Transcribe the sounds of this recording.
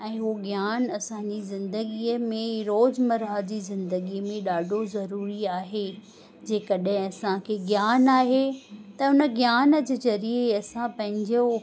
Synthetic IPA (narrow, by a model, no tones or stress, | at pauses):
ɛ̃ːɦuɡjaːnɐsãɲd͡ʑiːzɪ̃nd̪əɡiəmẽɾoːd͡ʑmɐɾad͡ʑiːzɪ̃nd̪əɡimẽɗaːɖʱozɐɾuːɾiaːɦe | d͡ʑeːkɐɗɦɪ̃ɐsãkʰeːɡjaːnaːɦet̪ɐʊnə̆ɡjaːnə̆d͡ʑəzɐɾiəɐsãpɐ̃ɦɪ̃ɲd͡ʑo